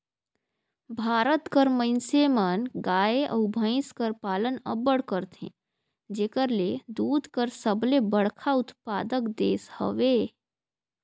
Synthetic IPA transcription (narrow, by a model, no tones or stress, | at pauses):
bʱaːɾət̪kəɾmə̃ɪnsemənɡaːeʔə̰bʱə̃ɪ̃skəɾpaːlənə̰bəɽkəɾt̪ʰḛ̃ | d͡ʒeːkəɾled̪uːd̪ʱkəɾsəblebəɽkʰaʊt̪paːd̪əkd̪eːshə̰ʋe